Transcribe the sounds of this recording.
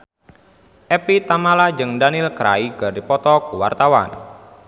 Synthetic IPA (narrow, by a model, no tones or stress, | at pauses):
ʔɛpit̪amalad͡ʒɨŋdanilkɾa̰iɡardipɔt̪ɔkuwa̰rt̪awa̰n